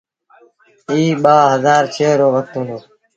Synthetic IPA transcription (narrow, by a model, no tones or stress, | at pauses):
iːɓaːɦəzaːɾt͡ʃʰeːɾoːʋək̚t̪ũːnd̪oː